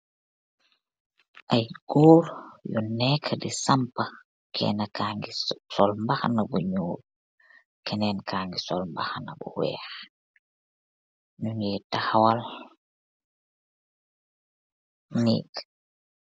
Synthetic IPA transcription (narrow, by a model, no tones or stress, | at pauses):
ʔajɡ̥ɔːɾjunɛːkʰːdisampa | kʰɛ̰nakaŋɡisɔlmbaxnabuɲuːɾ | kɛnɛnkʰaːŋɡisɔlmbaxna̰bṵwɛ̰ːx | nuɲɛtahawal | nḭːk